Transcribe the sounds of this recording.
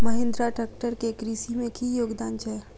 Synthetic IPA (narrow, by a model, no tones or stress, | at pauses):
məɦẽnd̪ɾaʈək̚ʈəɾkekɾiːsimẽkijoːɡd̪aːnt͡ʃəː